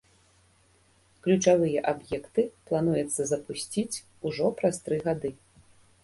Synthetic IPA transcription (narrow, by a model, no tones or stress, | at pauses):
klʲut͡ʂavɨjɐʔabjɛkt̪ɨplˠan̪ujɛt̪sːɐzɐpusʲt͡sʲit͡sʲ | uʐɔpɾast̪ɾɨɣad̪ɨ